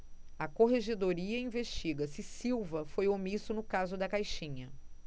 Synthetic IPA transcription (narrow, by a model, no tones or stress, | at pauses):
ɐkoɦeʒed̪oɾiɐĩveʃt͡ʃiɡɐsɪsiwvɐfojomisʊnʊkazʊd̪ɐkajʃĩɲɐ